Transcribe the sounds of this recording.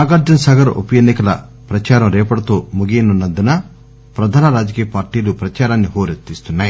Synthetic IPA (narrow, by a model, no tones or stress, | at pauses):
aːɡaːɾd͡ʒɐnsaːɡɐɾɐʔṵpɐjenːikɐlɐ̰ | pɾɐt͡ʃaːɾɐmɾɛːpɐɽɐt̪oːmuɡeːnunːɐnd̪unɐ | pɾɐd̪ʱaːnɐɾaːd͡ʒɐkiːjɐpaːɾʈiːlupɾɐt͡ʃaːɾaːnːiɦoːɾet̪ːiːst̪unːaːji